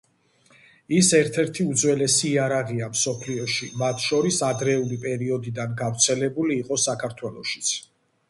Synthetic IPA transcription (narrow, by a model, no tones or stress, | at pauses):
isɛɾt̪ʰɛɾt̪ʰiud̪zwɛlɛsiːaɾaʁiamsɔpʰliɔʃimat̪ʰʃɔɾisad̪ɾɛulipʼɛɾiɔd̪id̪anɡavɾt̪sʰɛlɛbuliːqʼɔsakʰaɾt̪ʰwɛlˠɔʃi̥t̪sʰ